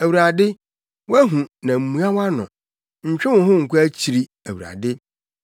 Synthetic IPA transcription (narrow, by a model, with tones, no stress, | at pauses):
æ˨wu˨ɾa˨dɪ˦ | wæ˦ɦũ˨nã˨m̩˨mũ˨˦a˦wa˦nʊ̰̃˨ | ɲ̩˨t͡ɕᶣɛ˦wʊ̃˨ɦʊ̃˦ŋ̩˨kʰu˦æ˦t͡ɕʰi˨ɾi˦ | æ˨wu˨ɾa̰˨dɪ˦